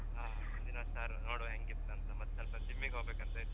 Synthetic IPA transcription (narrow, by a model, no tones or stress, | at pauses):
ɦaː | mund̪inɐsaːɾnoːɽuɦeŋɡit̪ːɐɐnt̪ɐmɐt̪ːsɐlpɐd͡ʒimːiɡɦoːbekɐnt̪ɐi